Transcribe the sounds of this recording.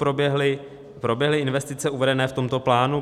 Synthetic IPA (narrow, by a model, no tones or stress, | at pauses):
pɾobjɛɦlɪ | pɾo̞bjɛɦlɪɪnvɛst̪ɪt͡sɛuvɛdɛnɛːft̪o̞mt̪o̞plaːnu